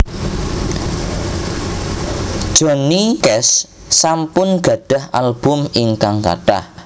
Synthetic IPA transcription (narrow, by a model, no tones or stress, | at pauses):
d̥ʒ̥ɔ̤nikɛsː | ampʊnɡ̥ä̤ɖ̥a̤halb̥ʊ̤miŋkaŋka̰ʈa̰h